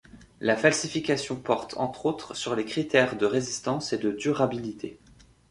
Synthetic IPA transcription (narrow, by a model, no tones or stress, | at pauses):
lafalsifikʲasjɔ̃pɔʁt̪ʰɑ̰̃t̪χot̪χsyʁlekχit̪ɛʁd̪əʁezist̪ɑ̃sed̪əd̪yʁabilit̪ʰe